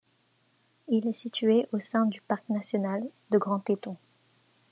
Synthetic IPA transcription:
ilɛsit̪ɥeʔosɛ̃d̪ypaʁknasjɔnald̪əɡʁɑ̃t̪et̪ɔ̃

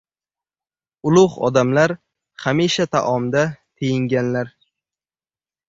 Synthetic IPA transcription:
ʊlˠʊhɒ̰d̪amlaɾ | χamiʃat̪ʰa̰ʔɒmd̪at̪ʰejɪŋɡʲanlaɾ

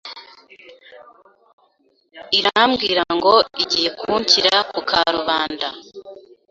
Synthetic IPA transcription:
iɾamɡiːɾaŋɡo̞iɟiːje̞kuhuɲciɾakukʰaɾuβaːnda

